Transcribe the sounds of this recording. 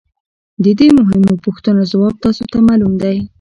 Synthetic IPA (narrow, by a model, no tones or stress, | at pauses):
d̪əd̪emʊɦɪmopʊxt̪ənozawɑb̚t̪ɑsot̪amalumd̪aj